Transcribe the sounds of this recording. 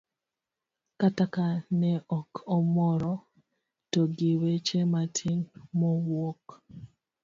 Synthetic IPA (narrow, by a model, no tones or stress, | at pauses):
katakanɛʔɔkʰɔmɔɾɔ | toɡiwet͡ʃematʰinmɔwwɔk